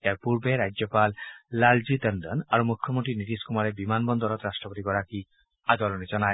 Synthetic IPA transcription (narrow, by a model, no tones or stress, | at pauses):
ejaɹpuɹbeɾajd͡ʒɔpalːalzit̪əndɔnaɹumukʰjɔmontɹinit̪iskumaɹɛbimanbɔnd̪ɔɾɔt̪ɹasʈɔpɔt̪iɡɔɹaki | ad̪ɔlɔnɛzɔnaj